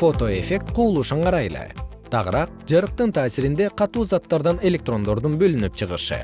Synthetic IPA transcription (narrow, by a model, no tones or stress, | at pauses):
fo̞t̪o̞e̞fʲe̞k̚t̪quːlˠuːʃuɴqʰɑɾɑjele̞̰t̪ʰɑʁɯɾɑq̚d͡ʒɑɾɯq̚t̪ɯnt̪ʰaːsiɾind̪e̞qʰɑt̪uːzat̪ːɑɾd̪ɑne̞lʲe̞k̚t̪ro̞nd̪o̞ɾd̪unbø̞lynyp̚t͡ʃʰɯʁɯʃɯ̰